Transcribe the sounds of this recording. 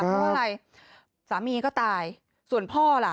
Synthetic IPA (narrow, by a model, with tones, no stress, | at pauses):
ɔ˧˦˥a˨˧˩ɾa˧j | saː˩˦miː˧kɔː˥˩t̪aː˧j | su˨˩ənpʰɔː˥˩la˨˩